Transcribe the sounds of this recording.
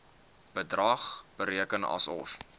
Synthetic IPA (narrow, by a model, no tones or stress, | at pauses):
b̥ədrɐχb̥əɾiəkənɐ̰sɔ̰f